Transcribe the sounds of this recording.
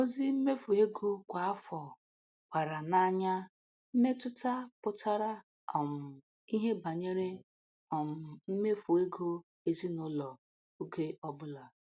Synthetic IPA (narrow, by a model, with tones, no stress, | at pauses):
o˦zi˦m̩˦me˦fu˨e˦ɡo˦kʷa˨a˦fɔ˨ | kʷa˨ɾa˨na˦ɲa˦ | m̩˦me˦tʊ˦ta˦pʊ˦ta˦ɾa˦ | ɔ˨m̩˨ | i˦ɦe˦ba˨ɲe˦ɾe˦ | ɔ˨m̩˨m̩˦me˦fu˨e˦ɡo˦ | e˦zi˦nʊ˦lɔ˨ | u˦ke˦ɔ˦bʊ˦la˨